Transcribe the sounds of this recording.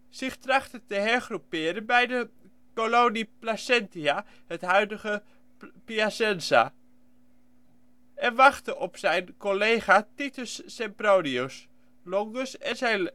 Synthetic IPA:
sɪχtrɑχtətəɦɛɹχrupɪːɾənbɛjdə | kolowniplasɛntia | hətɦœɥdəχə | piasɛnsa̰ | ɛnʋaχtəʔɔpsɛjnkolejχatitəsːɛmprownios | lɔŋɡəsɛnzɛj

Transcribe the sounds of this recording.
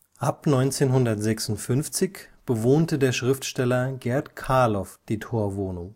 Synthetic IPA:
ʔapnɔʏnt͡seːnɦʊndɐtz̥ɛksʊntfʏnft͡sɪçb̥əvoːntədeːɐʃʁ̥ɪftʃtɛlɐɡɛɐtkʰaɐlɔfd̥iːtʰoːɐvoːnʊŋ

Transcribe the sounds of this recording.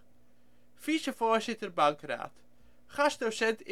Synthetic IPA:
fisəfoːɹzɪtərbɑŋkra̰ːt | χɑsdosɛntɪ

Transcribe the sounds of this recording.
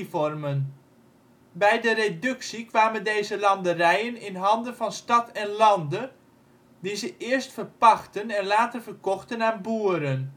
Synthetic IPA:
fɔrmən | bɛjdəredɵksikʋaːməndejzəlɑndərɛjənɪnɦɑndənvɑnstɑtʰɛnlɑndə | dizəʔɪəɹstfərpɑxtənɛnlaːtərvərkɔxtənaːnbuəɾən

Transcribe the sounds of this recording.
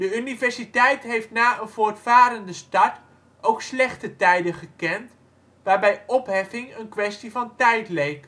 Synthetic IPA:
dəynivɛɹsitɛjtɦejftnaːənvʊːɹtfaːɾəndəstɑt | owkslɛχtətɛjdəχəkɛnt | ʋaːɹbɛjɔpɦɛfɪŋənkʋɛstivɑntɛjtlejk

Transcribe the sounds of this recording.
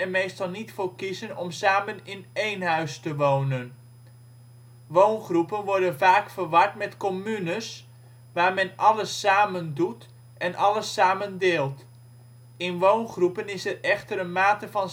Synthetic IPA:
ɛnmejstɑlˠnitfoːɹkizənɔmsaːmənɪnejnɦœɥstəʋownən | ʋownχrupənʋɔɹdənvaːkfəɹʋɑɹtmɛtkɔmynəs | ʋaːɹmɛnʔɑləsːaːməndut | ʔɛnʔɑləsaːməndɪːlˠt | ɪnʋownχrupənɪsɛrɛχtəɾənmaːtəvɑn

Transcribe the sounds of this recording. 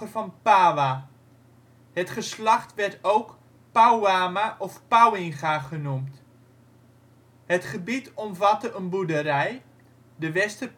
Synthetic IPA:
ərfɔnpaːʋa | hətχəslaχtʋɛrtowk | pawaːmaʔɔfpawɪŋχaχənumt | hətχəbitɔmvatəʔənbudəɾɛj | dəʋɛstə

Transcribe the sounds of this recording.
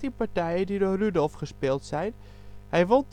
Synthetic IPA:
tipaɹtɛjədidoːrydɔlˠfχəspɪlˠtsɛjn | hɛjʋolˠt

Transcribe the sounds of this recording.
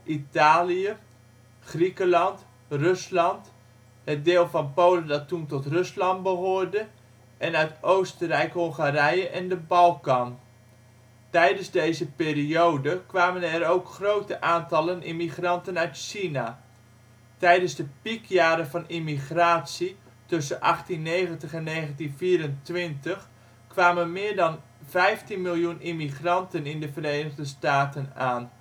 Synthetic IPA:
ʔitaːlijə | χrikəlɑnt | røslɑnt | hət̚dɪːlˠvɑnpowləndɑtːuntɔtrɵslɑnt̚bəɦʊːrdə | ʔɛnœɥtowstərɛjkɦɔŋχaːrɛjəʔɛndəbɑlˠkɑn | tɛjdənzdejzəpɪːriowdəkʋaːmənɛɾowkχrowtəʔaːntɑlənʔimiχrɑntənœɥtʃina | tɛjdənzdəpikʰjaːɾəvɑnimiχraːtsi | tɵsənʔɑχtinːejɣəntəχɛnːeːɣəntinviːɾəntʋɪntəx | kʋaːmənmɪːɹdɑn | vɛjftinmilˠjunimiχrɑntənɪndəvəreːnəɣdəstaːtənaːn

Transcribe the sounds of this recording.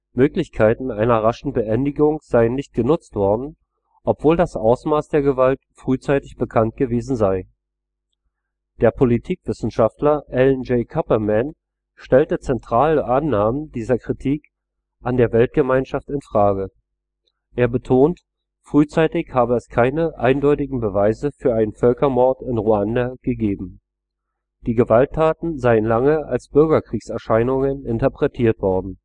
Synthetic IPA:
møːklɪçkʰaɪtn̩ʔaɪnɐʁaʃn̩bəʔɛndɪɡʊŋz̥aɪənːɪçt̚ɡ̥ənʊt͡stv̥ɔɐdn̩ | ʔɔpv̥oːldasʔaʊsmaːsd̥eːɐɡəvaltfʁ̥yːt͡saɪtɪçb̥əkʰant̚ɡ̥əveːzn̩zaɪ | d̥eːɐpʰolitʰiːkv̥ɪsn̩ʃaftlɐʔɛlnd͡ʒeɪkʰapɐmɛn | ʃtɛltət͡sɛntʁ̥aːləʔanːaːməndiːzɐkʁ̥itʰiːk | ʔandeːɐvɛlt̚ɡ̥əmaɪnʃaftɪnfʁ̥aːɡə | ʔeːɐbətʰoːnt | fʁ̥yːt͡saɪtɪçhaːbəɛskʰaɪnəʔaɪndɔʏtɪɡŋ̩bəvaɪzəfyːɐaɪnənfœlkɐmɔɐtɪnʁuandaɡ̥əɡeːbm̩ | d̥iːɡəvaltʰːaːtn̩zaɪənlaŋəa̰lsb̥ʏɐɡɐkʁ̥iːksɛɐʃaɪnʊŋənɪntɐpʁ̥ɛtʰiːɐtv̥ɔɐdn̩

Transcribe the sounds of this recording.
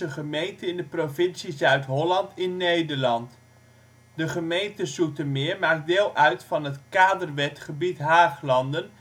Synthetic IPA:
əχəmejntəɪndəprovɪnsizœɥtɦɔlɑntʰɪnːejdəɹlɑnt | dəχəmejntəsutəmɪːɹmaːk̚deːlˠʔœɥtfɑnɦətkaːdərʋɛtχəbitɦaːχlɑndən

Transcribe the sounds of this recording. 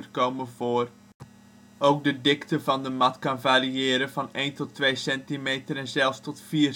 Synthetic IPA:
ərkowməvoːr | ʔowk̚dədɪktəvɑndəmɑtkɑnvaːriɪːɾənvɑneːntɔtːʋejsɛntimejtəɾɛnzɛlˠfstɔtfiː

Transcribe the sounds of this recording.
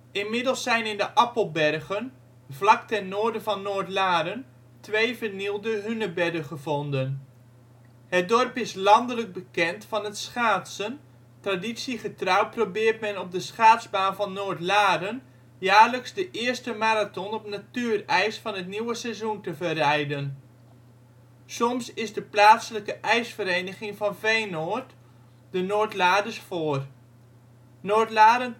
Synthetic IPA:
ʔɪnmɪdəl̩ˠsɛjnɪndəʔɑpəlˠbɛrɣən | vlɑktɛnnoːɹdəvɑnːoːɹtlaːɾən | tʋejvəɹnilˠdəɦynəbɛdəχəvɔndən | ɦət̚dɔrpɪslɑndələɡ̚bəkɛntfɑnətsχaːtsən | traditsiχətrɑwt̚probɪːɹt̚mɛnɔb̚dəsχaːtzbaːnvɑnːoːɹtlaːɾən | jaːɹləksdəʔɪəɹstəmaːɾatɔnɔpnatyːrɛjsfɑnɦətniwəsɛzuntəvərɛjdən | sɔmsɪzdəplaːtsələkəʔɛjsfəɾejnəχɪŋvɑnvejnoːrt | dənoːtlaːdəsfoːər | noːtlaːɾən

